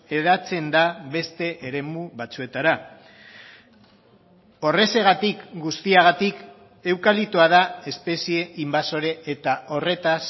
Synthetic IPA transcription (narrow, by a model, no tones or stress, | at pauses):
e̞ðat͡se̞nd̪aβe̞st̪e̞ʔeɾe̞muβat͡sue̞t̪aɾa | o̞re̞se̞ɣat̪ikɡust̪iaɣ̞at̪ik | e̞wkalit̪oaðae̞spe̞sie̞ʔimbaso̞ɾe̞ːt̪aʔo̞re̞t̪as